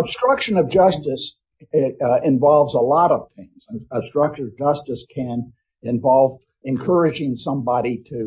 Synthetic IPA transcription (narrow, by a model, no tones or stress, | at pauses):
əb̥stɹ̥ʌkʃɨ̃nʌvd͡ʒʌstɨs | ɪ̃ɱvɑlˠvzəlɔɾʌv̥θɪ̃ŋz̥əb̥stɹ̥ʌk̚t͡ʃə˞ʌvd͡ʒʌstɨskʰɨ̃n | ɨ̃ɱvɑlˠv | ɨ̃nkʰɜ˞ɨd͡ʒɪ̃ŋsʌ̃mbɑɾiɾɨ